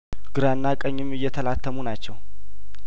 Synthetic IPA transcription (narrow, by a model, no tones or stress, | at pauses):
ɡ̥ɨɾanːakʼəɲːɪmːɨjːɛt̪ʰəlat̪ʰːəmunat͡ʃːɛw